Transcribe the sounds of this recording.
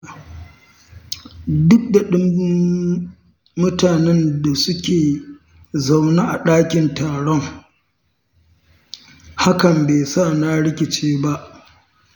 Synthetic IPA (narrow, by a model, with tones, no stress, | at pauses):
dʊ˦k̚da˨ɗɪ˦m˦ | mʊ˦taː˨nɛ˦nda˨sʊ˦kʲeː˨ | za˨wnaː˦ʔa˨ɗaː˦kʲɪ˨ntaː˨ɽɔ˦ŋ | ha˦kɐ˨mbeː˨saː˦˨na˦ɽɪ˦kʲɪ˨t͡ʃeː˦ba˦ʔ